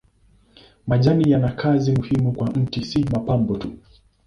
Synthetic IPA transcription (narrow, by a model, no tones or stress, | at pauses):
maʄanijanakʰazimuhimukwan̩tisimapambɔtu